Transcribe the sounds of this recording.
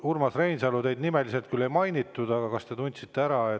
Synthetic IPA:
urmɑsrejnsɑlut̪e̞jd̪nime̞lise̞lt̪̚kylːe̞jmɑjnit̪ːˑud̪ɑɡ̥ɑkɑst̪e̞t̪unʲt̪sit̪ːe̞æɾɑe

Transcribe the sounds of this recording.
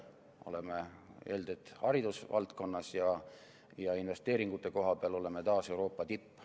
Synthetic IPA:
o̞̰le̞mee̞ːld̪et̪ːˑhɑɾid̪usvɑ̰lt̪ko̞nːɑsjɑ | jɑinve̞st̪e̞ːɾiŋɡ̥ut̪ːˑe̞ko̞ɦɑbeɑlo̞le̞me̞t̪ɑːse̞uwɾo̞ːpːˑɑt̪ipː

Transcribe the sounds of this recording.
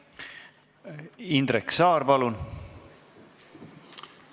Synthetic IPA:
ind̪reksɑːɾpɑlun

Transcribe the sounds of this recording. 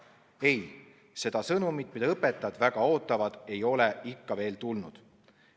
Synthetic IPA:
e̞j | se̞d̪̥ɑsɤnumit̪mid̪̥ɑɤpːet̪ːˑɑd̪væɡ̥ɑo̞ːt̪ːˑɑvɑd̪̥e̞jo̞leikːɑve̞ːlt̪ulnud̪̥

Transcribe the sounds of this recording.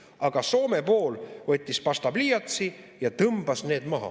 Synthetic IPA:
ɑɡ̥ɑso̞ːmepo̞ːlvɤt̪ʲˑːispɑst̪ɑbliːjɑt̪si | jɑt̪ɤmbɑsne̞ːd̪̥mɑɦɑ̰

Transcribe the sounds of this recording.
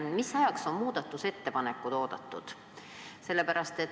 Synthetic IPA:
misɑjɑkso̞mmuːd̪̥ɑt̪ːˑuse̞t̪ːe̞pɑne̞kːˑud̪̥o̞ːd̪ɑt̪ːṵd̪̥ | se̞lːepæɾɑst̪e̞t̪

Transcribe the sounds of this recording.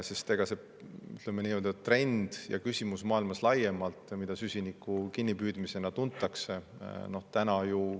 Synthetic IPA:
sest̪e̞ɡ̥ɑse̞ | y̰t̪lemeniːeld̪ett̪ːre̞nd̪̥jɑ̰kysʲimusmɑːilmɑslɑje̞mɑlt̪ˑmid̪̥ɑsysʲinikːˑukinʲːipyːd̪̥mise̞nɑt̪unt̪ːˑɑkse̞no̞ht̪ænɑju

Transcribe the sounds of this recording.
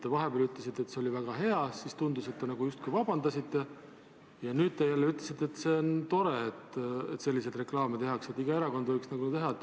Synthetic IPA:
t̪ːevɑɦeb̥eɑlyt̪ːˑlesit̪ːˑe̞t̪se̞o̞lʲivæɡ̥ɑɦe̞ɑsist̪und̪use̞t̪ːenɑɡ̥ujust̪kujvɑb̥ɑnd̪ɑsit̪ˑːe̞ | jɑnyːd̪̥̚t̪ejælːeyt̪lesit̪ːˑe̞t̪ˑse̞ont̪o̞ɾe̞et̪ḛt̪ːse̞lʲːis̬e̞d̪re̞klɑːmet̪e̞ɦɑkset̪ːiɡ̥ɑe̞ɾɑko̞nd̪vɤjksnɑɡunt̪e̞ɦɑt̪

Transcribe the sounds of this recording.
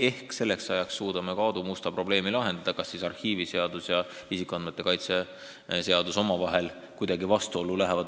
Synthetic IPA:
e̞hkse̞lːe̞ksɑjɑksːuːd̪̥ɑmekɑːd̪̥umust̪ɑpro̞ble̞ːmilɑɦe̞nd̪̥ɑd̪̥ɑkɑsːisɑrhiːvise̞ɑd̪̥usjɑisikːˑuɑnme̞t̪ːˑe̞kɑjt̪se̞ | se̞ɑd̪̥uso̞mɑvɑɦe̞l | kujd̪̥ɑɡivɑst̪uo̞lːulæɦevɑd̪̥

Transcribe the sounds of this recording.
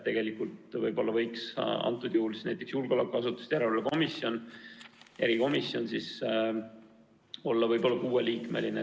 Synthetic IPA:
t̪e̞ɡ̥e̞likˑult̪vɤjb̥o̞lːɑvɤjksɑ̰nt̪ːˑud̪̥juhːlisnæjt̪ːˑe̞ksjulɡ̥olɑkuɑsut̪ːˑu̥st̪jæɾelɑko̞misjo̞n | e̞ɾiko̞misːjo̞nsis | o̞lːɑvɤjb̥o̞lːɑkuːeliːkmḛline

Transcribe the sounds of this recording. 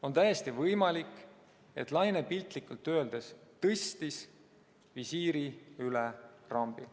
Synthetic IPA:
o̞nt̪æjest̪ivɤjmɑlikːˑ | e̞̰t̪lɑjnepilt̪ˑlikult̪ːø̞ːld̪est̪ɤst̪is | visiːɾiylerɑmb̥i

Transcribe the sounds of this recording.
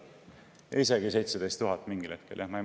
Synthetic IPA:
jɑ̰ise̞ɡise̞jt̪sed̪ejst̪uɦɑt̪ːˑmiŋɡile̞t̪̚keljɑhmɑj

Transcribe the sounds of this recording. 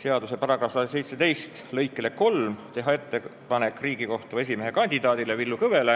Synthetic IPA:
se̞ɑd̪̥use̞pɑɾɑkɑsɑd̪ɑse̞jt̪se̞t̪e̞jst̪lɤjkːˑele̞ko̞lmt̪e̞ɦɑe̞t̪ːe̞pɑne̞kːˑriːɡ̥iko̞ht̪ue̞sʲimeɦekɑnʲd̪id̪ɑːd̪ilevilːukɤve̞le

